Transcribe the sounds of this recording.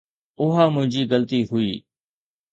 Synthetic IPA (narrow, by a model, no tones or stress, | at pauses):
ʊɦaːmʊ̃ɦɪ̃ɲd͡ʑiːɡəlt̪iːɦʊiː